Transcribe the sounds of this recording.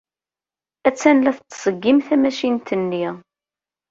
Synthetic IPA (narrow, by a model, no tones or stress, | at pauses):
æt͡sːænlæθt͡s̪ːsˤəɡːimθæmæʃint̪ənːiʁ